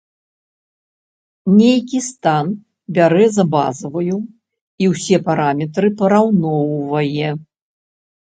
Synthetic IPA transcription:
nʲejkʲist̪an | bʲaɾɛzɐba̰zɐvɐju | iwsʲɛpaɾamʲɛt̪ɾɨpɐɾawnɔwvɐjɛ

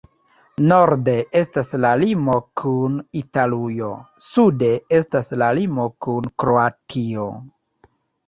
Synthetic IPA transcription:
no̞ɾde̞e̞staslalimo̞kʰunitalujo̞sude̞e̞staslalimo̞kunkɾoatʰio

